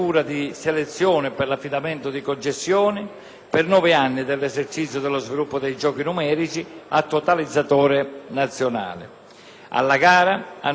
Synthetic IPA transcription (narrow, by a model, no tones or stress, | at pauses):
uːɾad̪iselɛt̪sːjɔːnɪpɪrlafːid̪amɛnt̪ʊd̪ikont͡ʃest̪jɔːnɪ | pɪrnɔvɪanːɪd̪ɪlːɛzert͡ʃit̪sːjʊd̪ɛlːozvilupːʊd̪ɛjd͡ʒɔːkinumɛːɾit͡ʃiat̪ːɔt̪alid̪zːat̪ɔːɾɪnat̪sːjona̰ːlɪ̰ | a̰lːaɡaːɾaa